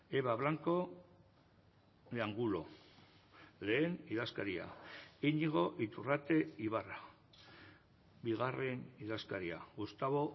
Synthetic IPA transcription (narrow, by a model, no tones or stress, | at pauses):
eβaβlaŋko̞ | leaŋɡulo̞̰ | le̞ːniðaskaɾia̰iɲiɣ̞o̞ʔit̪urat̪e̞iβara | biɣ̞are̞niðaskaɾia̰ɣust̪aβo̞